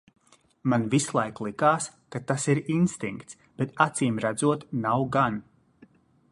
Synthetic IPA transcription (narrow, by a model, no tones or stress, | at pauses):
manvislˠajklˠikaːskat̪asiɾinst̪iŋkt̪s | b̥ɛt̪at̪siːmɾad̪zuɔt̪nawɡan